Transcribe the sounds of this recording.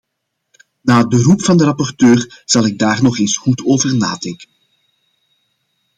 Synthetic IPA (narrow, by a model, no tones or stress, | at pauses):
naːdərupfɑndəɾɑpɔrtøːrz̥ɑlˠɪɡ̚daːrnɔχeːnsxutʰoːvərna̰ːdɛŋkən